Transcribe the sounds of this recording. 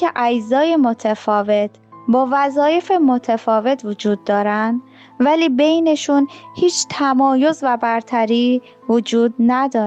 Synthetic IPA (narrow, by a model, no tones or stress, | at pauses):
eʔæd͡ʒzɒːje̞mo̞t̪ʰefɒːve̞t̪ʰbɒːvæzɒːje̞fe̞mo̞t̪ʰefɒːve̞t̪ʰvod͡ʒuːd̪ːɒːɾænd̪ | væliːbe̞jne̞ʃunhiːt͡ʃʰt̪ʰæmɒːjo̞zvæbæɾt̪ʰæɾiː | vod͡ʒuːd̪̚næd̪ɒː